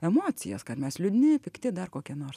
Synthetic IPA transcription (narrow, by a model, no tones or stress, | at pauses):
ɛmoːt͡sʲɪ̰jɛ̰skɐrmʲɛslʲʊd̪ʲnʲɪpʲɪkt̪ʲɪd̪ɐrkoːkʲiɛnoːrs